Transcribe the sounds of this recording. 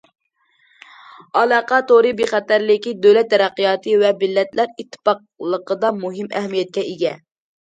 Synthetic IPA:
ɑlˠɑːqʰɑt̪oɾɨbeχɛt̪æɾlɪkʲid̪øwlɛt̪ːɛɾæqːijɑt̪ʰɨvɛbɪlːɛt̪læɾit̪ʰːɨ̥pɑq̚ | lˠəqəd̪ɑmuɦimɛ̰ɦmijɛt̪̚kʲɛeɡʲɛ

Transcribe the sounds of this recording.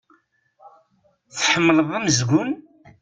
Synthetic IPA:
θħəmːləðˤæməzɡʷʊn

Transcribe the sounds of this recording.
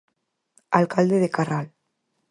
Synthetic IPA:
alkald̪eðekaral

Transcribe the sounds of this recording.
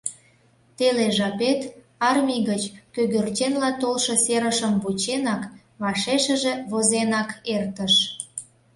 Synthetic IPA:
t̪eleʒɑpet̪ | ɑrmʲijɣət͡ɕkøɣørt͡ɕenlɑt̪olʃɤ̆seɾəʃəmbut͡ɕenɑk | βɑʃeʃəʒĕβozenɑkert̪əʃ

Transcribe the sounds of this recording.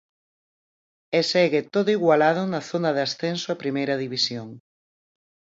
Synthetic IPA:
esɛɣɪt̪oðʊiɣwalað̞ʊnɐθonɐðasθensoapɾimejɾɐðiβisjoŋ

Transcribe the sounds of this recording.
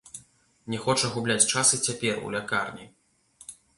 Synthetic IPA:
nʲɛxɔt͡ʂɐɣublʲat͡sʲt͡ʂasɨt͡sʲapʲɛrṵlʲakarnʲi

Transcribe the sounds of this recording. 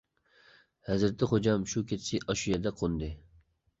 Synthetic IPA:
hɛzɾt̪ʰɪχod͡ʒɑmʃukʰʲet̪sɪʔɑʃujɛd̪ɛqʰond̪ɪ

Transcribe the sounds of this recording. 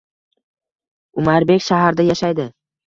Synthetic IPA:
ʊmaɾbe̞kʲʃaɦaɾd̪ajaʃajd̪ɪ

